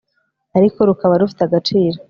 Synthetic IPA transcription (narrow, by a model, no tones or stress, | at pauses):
aɾiko̞ɾukaβaɾufi̥taɡat͡ʃiːɾo